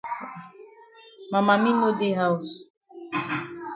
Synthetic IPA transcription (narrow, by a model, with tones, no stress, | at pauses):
ma˨ma˨mĩ˦no˦de˦ɦa˦u˨s